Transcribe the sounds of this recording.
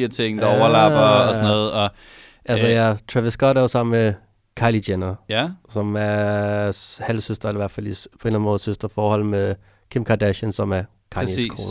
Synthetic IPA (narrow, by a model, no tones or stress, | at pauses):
ɐt͡sʰe̝ŋ̰d̥ɑɒʊɐlɑ̈b̥ɐːsnɔːð̩ˠɒ̽ | ʔælsəjæt͡sʰʁɛʋɐsɡ̥ɒd̥æsɑ̈m̰n̩me | kʰɑ̈ɪlid̥enɐsɒ̽mæɐ | hælsøsd̥ʁɐeliʋæɐ̰̥fæl̰ispʰɒ̽e̝ːnlænmɔːð̩ˠsøsd̥ɐfɒːhɒ̽l̰me | kʰemkʰɑd̥æɕənsɒ̽mæɐ | kʰɑ̈iskʰʁo̰ː